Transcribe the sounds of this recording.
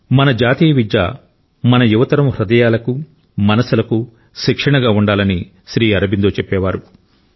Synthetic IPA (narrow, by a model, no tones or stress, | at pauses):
mɐnɐd͡ʒaːt̪iːjɐʋid͡ʒa̰ː | mɐnɐjuʋɐt̪ɐɾɐmhɾɐd̪ɐjaːlɐku | mɐnɐsulɐku | ʃikʂɐɳɐɡaːuɳɖaːlɐni | ʃɾiːɐɾɐbind̪oːt͡ʃɛpːɛːʋaːɾu